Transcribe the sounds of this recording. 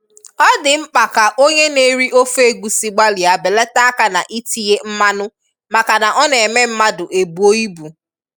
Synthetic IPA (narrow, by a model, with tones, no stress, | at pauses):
ɔ˦dɪ˨ŋ͡m̩˦k͡pa˨ka˨ʔo˦ɲe˦ne˦ɾi˦ʔo˦fe˦ɡʷu˨si˨ɡ͡ba˦li˨a˨be˨le˦ta˦a˦ka˨na˨ʔi˦ti˦je˦m̩˦ma˦nʊ˦ | ma˨ka˨na˨ʔɔ˦ne˨me˦m̩˦ma˦dʊ˨ʔe˨bu˨o˦i˦bu˨